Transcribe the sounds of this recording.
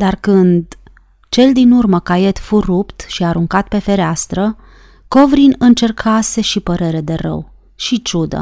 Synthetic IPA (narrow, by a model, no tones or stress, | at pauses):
d̪arkɨnd̪ | t͡ʃe̞ld̪inurməkaje̞t̪furupt̪ʃiaɾuŋkat̪pe̞fe̞ɾeast̪ɾə | ko̞vɾinɨnt͡ʃe̞rkʰase̞ʃipəɾe̞ɾe̞d̪e̞rə̰w | ʃit͡ʃud̪ə̰